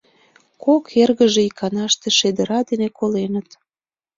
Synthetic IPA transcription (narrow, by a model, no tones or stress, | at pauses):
kokʰerɣəʒeikʰɑnɑʃt̪eʃed̪əɾɑd̪enekolenət̪